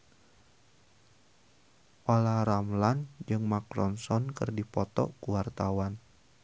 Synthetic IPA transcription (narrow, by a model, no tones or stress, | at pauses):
ʔolaɾamland͡ʒɨŋmakɾɔnsɔnkɨrdipɔt̪ɔ̰ʔkuwart̪awan